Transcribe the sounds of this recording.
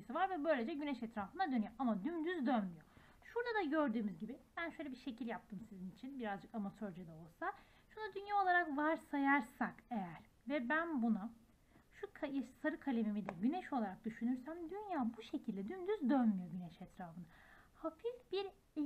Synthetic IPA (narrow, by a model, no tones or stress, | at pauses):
isɯvaɾvɛbø̞jlʲed͡ʒɛɟynɛʃɛt̪ɾaːfɯnad̪ønyjo̞ʔamad̪ynd̪yzd̪ønmyjo | ʃuɾd̪ad̪aɟøɾd̪yːmyzɟibib̥ænʃøjlʲebiɾʃe̞cilʲjap̚t̪ʰɯmsizinit͡ʃʰinbiɾazd͡ʒɯkamat̪ʰøɾd͡ʒɛd̪ɛolˠsa | ʃunad̪ynjaːolˠaɾakvaɾsajaɾsake̞jæɾ̥ | vɛbænbuna | ʃukʰaʃsaɾɯkʰalʲemimid̪ɛɟynɛʃo̞lˠaɾak̚d̪yʃynyɾsæmd̪ynjaːbuʃe̞cʰilʲd̪ɛd̪ynd̪yzd̪ønmyjo̞ɟynɛʃɛt̪ɾaːfɯnahafifbiɾ